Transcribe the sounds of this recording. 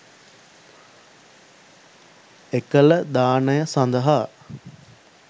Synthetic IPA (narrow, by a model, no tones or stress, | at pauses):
ekələd̪aːnəjəsand̪əɦa